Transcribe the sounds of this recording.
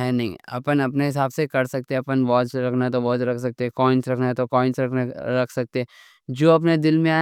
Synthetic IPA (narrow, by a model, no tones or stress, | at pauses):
ɦɛːnɐɦḭ̃ɐ̰pənɐpneɦɪs̬aːbsekɐɾsɐk̚t̪eɐpənʋɔːd͡ʒɾɐkʰnat̪̬obɔːt̪ɾɐkʰsɐk̚t̪eɛkɔːɪ̃nsɾɐkʰnaɦɛt̪okɔːɪ̃nsɾɐkʰnaɾɐkʰsɐk̚t̪eɛ | d͡ʒoːɐp̬ned̪ɪlmẽaː